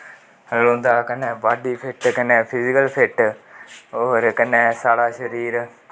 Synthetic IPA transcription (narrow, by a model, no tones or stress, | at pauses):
lõːnd̪aːkənẽːbaːɖiːpʰɪʈkəneːpʰɪd͡ʒɪkəlpʰɪʈ | oːɾkənẽːsaːɽaːʃəɾiːɾ